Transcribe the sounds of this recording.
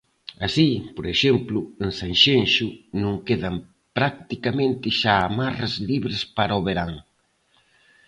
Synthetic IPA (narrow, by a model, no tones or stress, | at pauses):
asipoɾeʃemplʊensanʃenʃʊnõŋkeðɐm | pɾak̚t̪ikamẽnt̪ɪʃaːmarazliβɾɪspaɾoβeɾaŋ